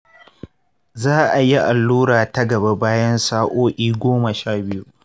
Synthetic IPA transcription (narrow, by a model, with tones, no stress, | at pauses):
zaː˦ʔa˨ji˦ʔa˨lːuː˦ɾaː˨tɐ˦ɡɐ˨ba˦baː˦jɐ˦nsaː˦ʔʷoː˦ʔʲiː˦ɡʷoː˦mɐ˨ʃaː˦˨bɪ˦ju˦ʔ